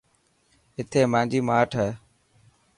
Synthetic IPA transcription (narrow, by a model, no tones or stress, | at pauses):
ɦɪt̪ʰeːmãːnd͡ʒiːmaːʈʰeː